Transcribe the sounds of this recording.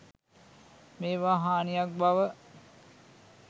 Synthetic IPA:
meːʋaːɦaːnijak̚baʋə

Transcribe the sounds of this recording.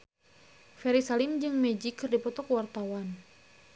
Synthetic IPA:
fɛɾisalimd͡ʒɨŋmɛd͡ʒikɨrdipɔt̪ɔkwart̪awan

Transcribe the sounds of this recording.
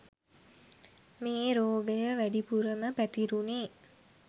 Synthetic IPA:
meːɾoːɡəjəʋæɖipuɾəməpæt̪iɾuneː

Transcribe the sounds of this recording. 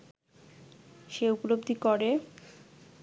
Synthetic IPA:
ʃeuplobd̪ʱikoɾe

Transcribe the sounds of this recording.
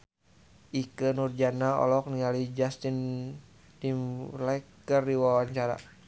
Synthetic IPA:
ʔikənurd͡ʒanaɔ̰lɔk̚niŋalid͡ʒast̪in | timlakːərdiwawaɲt͡ʃaɾa̰

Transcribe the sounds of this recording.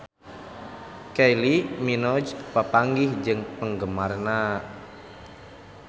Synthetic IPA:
kajliminɔd͡ʒpəpaŋɡihd͡ʒɨŋpəŋɡəmarna

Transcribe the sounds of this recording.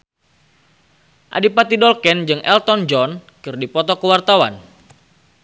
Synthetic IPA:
ʔa̰dipat̪idɔlkɛnd͡ʒɨŋʔɛlt̪ɔnd͡ʒɔnkɨrdipɔt̪ɔkəwart̪awa̰n

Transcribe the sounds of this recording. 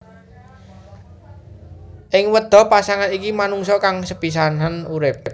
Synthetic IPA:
ʔɪŋwəd̪̥ɔ̤pasaŋanikimanuŋsɔkaŋsəb̥is̬anɦanuɾɪp̚

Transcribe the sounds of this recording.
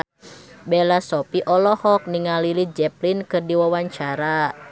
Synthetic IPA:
bɛlasɔpiʔɔlɔhɔk̚niŋalilid͡ʒɛplinkɨrdiwawaɲt͡ʃaɾa

